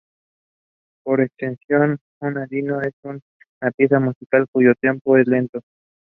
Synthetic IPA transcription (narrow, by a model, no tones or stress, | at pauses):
poɾekst̪ensjon | unaðinoesun | napje̞samusikalkuʝot̪je̞mpoeslent̪o